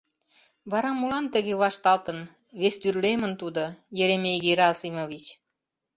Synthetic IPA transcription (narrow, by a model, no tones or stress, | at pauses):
βɑɾɑmulɑmt̪ə̆ɣeβɑʃt̪ɑlt̪ə̆n | βesd̪yrlemə̆nt̪ud̪ojə̆ɾemeɣeɾɑsimovit͡ɕ